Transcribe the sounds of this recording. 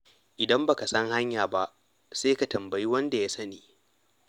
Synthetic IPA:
ʔɪ˨dɐ˦mba˨ka˨sɐ˦ŋha˦ɲjaː˨ba˦ʔ | seː˦ka˨tɐ˨mbɐ˨ji˦wɐ˦nda˨ja˦sɐ˦niː˨

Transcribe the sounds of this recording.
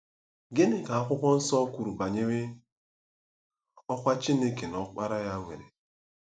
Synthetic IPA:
ɡe˦nɪ˨ka˨a˦kʷʊ˦kʷɔ˦n̩˦sɔ˦kʷu˨ɾu˨ɡ͡ba˨ɲe˦we˦ | ɔ˦kʷa˦t͡ʃi˦ne˦ke˨nɔ˨k͡pa˦ɾa˦ja˦ŋʷḛ˨ɾḛ˨

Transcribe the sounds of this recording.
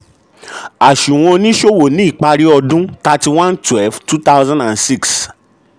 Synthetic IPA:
a˨ʃũ˨w̃ɔ̃˧nĩ˦ʃo˦wo˨nĩ˦i˦˨k͡pa˧ɾi˦ɔ˧dũ˦ta˧ti˧w̃ã˦ntwɛ˦lftu˦ta˦wzã˦nda˨nsi˦˨ks

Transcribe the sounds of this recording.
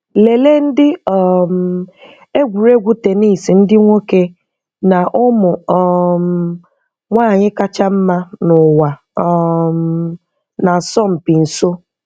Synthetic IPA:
le˨le˦n̩˦dɪ˦ɔ˦˨m˨ | e˦ɡʷu˨ɾe˦ɡʷu˦te˨ni˦˨si˨n̩˦dɪ˦ŋʷo˦ke˦ | na˨ʔʊ˦mʊ˨ɔ˨m | ŋʷaː˦˨ɲɪ˦ka˦t͡ʃa˦m̩˦ma˦nʊ˨wa˨ | ɔ˦m | na˨sɔ˦m̩˨pi˨n̩˨so˦

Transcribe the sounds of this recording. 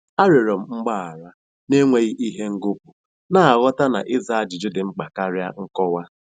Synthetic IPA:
a˦ɾe˨ɾɔ˨m̩˨ŋ͡m̩˦ɡ͡ba˦˨a˨ɾa˦ | ne˦ŋʷe˦ɣi˦ʔi˦ɦe˦ŋ̩˦ɡʊ˦p̚u˨ | na˦˨a˨ɣɔ˦ta˦na̰˨ʔɪ˦za˦˨a˦d͡ʒɪ˨d͡ʒʊ˦dɪ˨ŋ͡m̩˦k͡pa˨ka˦ɾja̰˦ŋ̩˦kɔ˦wa˦

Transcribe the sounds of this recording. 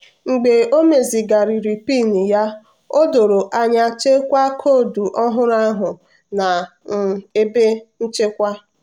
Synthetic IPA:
ŋ͡m̩˨ɡ͡be˨o˦me˨zi˨ɡa˨ɾi˨ɾi˨pi˦˨ni˨ja˦ | o˦do˨ɾo˨ʔa˦ɲa˨t͡ʃe˦kʷa˦kʰo˦˨du˨ʔɔ˦ɦʊ˦ɾa˦ɦʊ˨ | na˨m̩˨e˦be˦n̩˦t͡ʃe˦kʷa˦

